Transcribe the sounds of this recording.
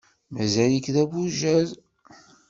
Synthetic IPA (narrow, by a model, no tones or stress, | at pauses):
mæzæjikðæbuʒæz